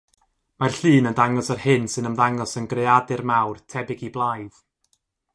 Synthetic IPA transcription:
marɬɨːnəndaŋɔsarhɪnsɨnəmðaŋɔsənɡrejadɨrmawrtʰɛbɪɡiblˠajð̥

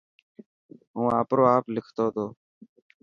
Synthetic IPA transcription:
ɦũːaːpɾoːaːplɪkʰt̪oːt̪oː

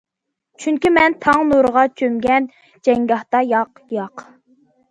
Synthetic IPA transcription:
t͡ʃʰyŋkʲimɛnt̪ʰɑŋnuɾəʁɑt͡ʃʰøŋɡʲɛn | d͡ʒɛŋɡʲɑht̪ɑjɑq | jɑq

